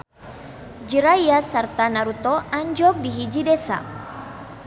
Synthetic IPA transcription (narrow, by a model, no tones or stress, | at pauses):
d͡ʒəɾajasart̪anaɾut̪ɔaɲd͡ʒɔk̚diɦid͡ʒidɛsa̰